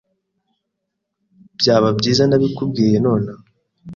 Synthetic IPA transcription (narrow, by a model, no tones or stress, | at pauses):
bjaːβabɟiːzanaβikub̚ɡiːje̞no̞ːna